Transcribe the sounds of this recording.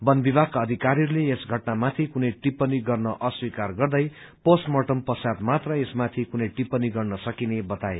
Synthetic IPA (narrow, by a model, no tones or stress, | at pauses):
bʌnbibʱakːaʌd̪ʱikaɾiɾuleesɡʱʌʈnamat̪ʰikunʌjʈipːʌniɡʌrnʌʔʌswikarɡʌrd̪ʌj | posʈmoʈʌmpʌsad̪mat̪rʌesmat̪ʰikunʌjʈipːʌniɡʌrnʌsʌkinebʌt̪ae